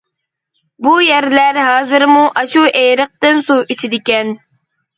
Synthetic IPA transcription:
bujæɾlæɾɦɑːzɨɾmuʔɑʃuʔejɾəq̚t̪ɨnsuʔit͡ʃʰid̪ɪkʲɛn

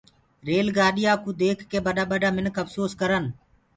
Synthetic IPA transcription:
ɾeːlɡaːɗɪjaːkuːd̪eːkʰːeːbəɗaːɓəɖaːmɪnkʰəfsoːskəɾən

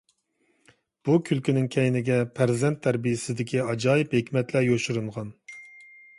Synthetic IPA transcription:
b̥ukʲʰylkʲinɪŋkʲʰɛjnɪɡʲɛpʰæɾzɛnt̪ʰːæɾbijɪsɪzd̪ɪkʲʰiɑd͡ʒɑːjɪphekʲmɛt̪lɛjoʃuɾuɴʁɑn

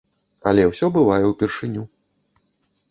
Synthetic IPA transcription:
ɐ̰lʲɛwsʲɔbɨvajɛwpʲirʂɨnʲu

